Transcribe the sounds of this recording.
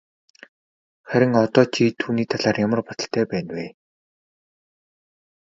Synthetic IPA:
χæɾʲɪ̆ŋɔt̪ɔːt͡ɕʰit̪ʰuːniːt̪ʰaɮaːrjamə̆rpɔt̪ɞ̆ɬt̪ʰæːpæːnweː

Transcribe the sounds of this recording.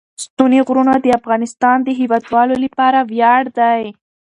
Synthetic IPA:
st̪uniɣɾunad̪əafɣɑnɪst̪ɑnd̪əɦiwɑd̪wɑlolapɑɾawjɑɽd̪aj

